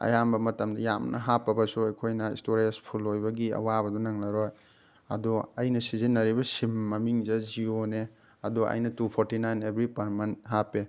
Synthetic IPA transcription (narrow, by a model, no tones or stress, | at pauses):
ɐ̰jambɐmɐtɐmdɐjamnʔɐ̰ɦapːɐbɐsuɐjkʰojnɐḭstoɾiespʰulojbɐɡiɐ̰wabɐdunɐŋnɐɾoj | ɐ̰duɐjnɐsizinːɐɾibɐsimːɐmiŋzazione | ɐduʔɐ̰jnɐtupʰoɾtinajnebɾipɐɾmanɦape